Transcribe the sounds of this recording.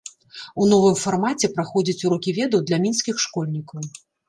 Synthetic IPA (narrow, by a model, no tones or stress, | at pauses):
unɔvɨmfarmat͡sʲɛpɾaxɔd͡zʲɐt͡sʲuɾɔkʲivʲɛd̪ɐwd̪lʲɐmʲinsʲkʲixʂkɔlʲnʲikɐw